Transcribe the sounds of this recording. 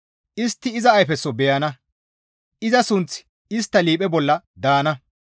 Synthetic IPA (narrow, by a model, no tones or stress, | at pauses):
ʔɪst̪ːɪːzɐːjfɛsːɔbɛjɐnɐ | ʔɪzɐsʊnt͡sɪ̥ | ɪst̪ːɐliːpʼɛbɔlːɐ | d̪aːnɐ